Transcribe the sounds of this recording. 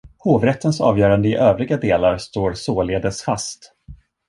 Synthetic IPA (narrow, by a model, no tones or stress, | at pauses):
hoːvɾɛt̪ːənsɑ̰ːvjœːɾand̪əɪʔøːvɾɪɡad̪eːlaɾst̪oːɾsoːleːd̪əsfast̪